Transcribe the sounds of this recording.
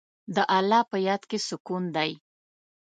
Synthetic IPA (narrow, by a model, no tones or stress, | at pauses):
d̪əʔalːɑpəjɑd̪kesʊkund̪aj